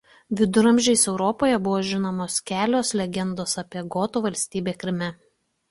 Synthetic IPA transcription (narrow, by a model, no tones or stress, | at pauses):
ʋʲɪd̪ʊɾɐmʲʒʲɛɪsɛʊɾɔpoːjɛbʊʋoːʒʲɪnoːmoːskʲæːlʲoːslʲɛɡʲɛnd̪oːsɐpʲiɛɡɔːt̪uːʋɐlʲsʲt̪ʲiːbʲeːkɾʲɪmʲɛ